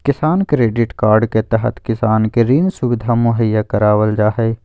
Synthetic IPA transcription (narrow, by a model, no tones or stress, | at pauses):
kɪsaːnkɾeːɖɪʈkaːɾɖket̪ɛɦə̰t̪kɪsaːnkeɾiːnsubɪd̪ʱamʊɦəjːakɐɾaːwəld͡ʒaːɦɛː